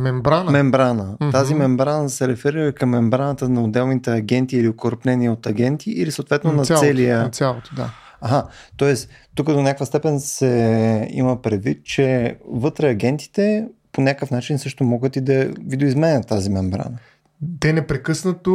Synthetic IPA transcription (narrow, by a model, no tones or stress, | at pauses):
mɛmbɾanmɛmbɾanət̪azimɛmbɾansɛɾɛfɛɾiɾəkɐmːɛmbɾanət̪ənɐod̪ɛlˠnit̪ɛɐɡʲɛnt̪iːliokoɾpnɛniəot̪ɐɡʲɛnt̪iʔilisəot̪vɛt̪nonɐsɛlijəsʲalˠod̪a | aɦat̪ɔɛst̪ukəd̪onʲakvəst̪ɛpɛnsɛḭməpɾɛd̪vit̪̚t͡ʃɛvɤt̪ɾɛɐɡʲɛnt̪i̥t̪ɛponʲakəfnat͡ʃinsɤʃt̪omɔɡət̪id̪ɐvid̪oizmɛnʲət̪ːazimɛmbɾa̰nə | d̪ɛnɛpɾɛkɤsnət̪o